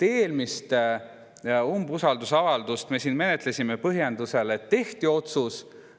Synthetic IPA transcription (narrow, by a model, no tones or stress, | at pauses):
t̪e̞ːlmist̪ | umbusɑld̪usɑvɑld̪ust̪me̞siːnme̞net̪ˑlesʲimepɤɦjend̪use̞let̪e̞ht̪io̞t̪sus